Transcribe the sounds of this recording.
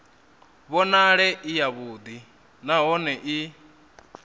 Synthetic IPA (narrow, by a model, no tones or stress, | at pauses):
βɔnaɺɛʔijaβuːd̪i | naɦɔnɛʔi